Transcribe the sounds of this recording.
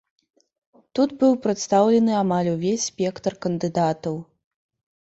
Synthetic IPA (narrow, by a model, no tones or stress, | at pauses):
t̪ud̪bɨwpɾɨt̪st̪awlʲɛnɨamalʲuvʲesʲspʲɛkt̪ɐrkɐnd̪ɨd̪at̪ɐw